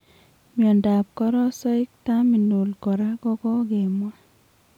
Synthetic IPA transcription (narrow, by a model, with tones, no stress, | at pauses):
mjɔ˨nda˨p̚kɔ˦ɾɔ˦sɔ˦ɪ˦k̚ta˦mi˨no˨lkɔ˨ɾa˦kɔ˦kɔ˦ɡe˨mwa˦